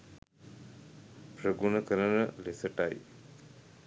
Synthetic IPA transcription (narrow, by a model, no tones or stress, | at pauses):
pɾəɡunəkəɾənəlesəʈaj